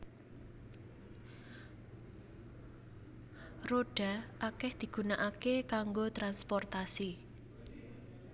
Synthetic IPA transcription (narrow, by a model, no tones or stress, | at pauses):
roɖ̥a̤ʔakɛhd̪̥i̤ɡ̥ṳnaʔakekaŋɡot̪ɾanspɔrt̪asi